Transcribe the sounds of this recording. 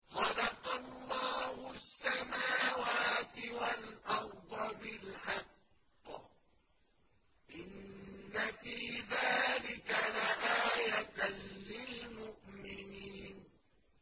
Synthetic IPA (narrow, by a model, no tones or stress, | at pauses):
xɑlɑqɑlˤːɑːhʊsːamaːwaːt̪ɪwalʔɑɾd̪ˤɑbɪlħɑqː | ʔɪnːafiːðaːlɪkalaʔaːjat̪lɪlmʊʔmɪniːn